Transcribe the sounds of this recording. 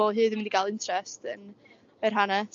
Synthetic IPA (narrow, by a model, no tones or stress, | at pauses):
ɔlˠɦɨːðɪmɪndiɡalˠɪntʰrɛstən | ərɦana